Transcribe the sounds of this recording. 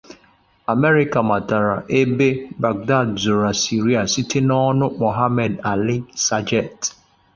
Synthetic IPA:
a˨me˦ɾi˦ka˨ma˨ta˨ɾa˨ʔe˦be˦ba˨ɡ̚da˦˨dzʊ˨ɾa˨si˨ɾi˦a˨si˦tʰe˦nɔ˦nʊ˦mo˨ɦa˦mɛ˨da˨li˦sa˦d͡ʒɛ˨t

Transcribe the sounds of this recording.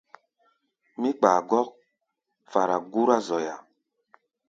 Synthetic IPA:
mi˦k͡paː˨ɡɔ˦k̚ | fa˨ɾa˨ɡu˦ɾa˦zɔ˨ja˨

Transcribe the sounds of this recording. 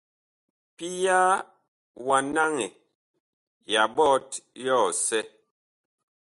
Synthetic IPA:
pi˦ja˦ | wa˨na˦ŋɛ˨ | ja˨bɔ˦tjɔ˦˨sɛ˦

